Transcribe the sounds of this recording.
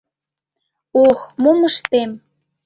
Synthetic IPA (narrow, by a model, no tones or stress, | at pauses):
oxmuməʃt̪em